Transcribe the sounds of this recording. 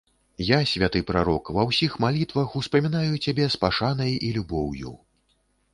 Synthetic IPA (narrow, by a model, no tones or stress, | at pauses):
jasʲvʲat̪ɨpɾaɾɔkvɐwsʲixmalʲit̪vɐxuspɐmʲinajut͡sʲabʲɛspaʂanɐjilʲubɔwjṵ